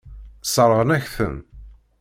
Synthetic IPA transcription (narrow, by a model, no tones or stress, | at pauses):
sˤəɾˤəʁənæçθə̰n